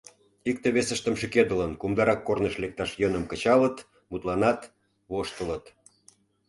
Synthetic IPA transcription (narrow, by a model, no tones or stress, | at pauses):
ik̚t̪eβesə̆ʃt̪ə̆mʃiked̪ə̆lənkumd̪ɑɾɑkːornəʃlek̚t̪ɑʃjənəmkə̆t͡ɕɑlət̪ | mut̪lɑnɑt̪ | βoʃt̪ələt̪